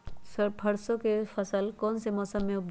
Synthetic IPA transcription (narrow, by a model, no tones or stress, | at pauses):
səɾpʰəɾsokefʰəsəlkɔːnsemɔsəmːẽʊ